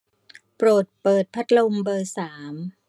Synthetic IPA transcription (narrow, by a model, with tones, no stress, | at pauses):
pɾoː˨˩t̪̚pɤː˨˩t̪̚pʰa˦˥t̪̚lo˧mbɤː˧saː˩˦m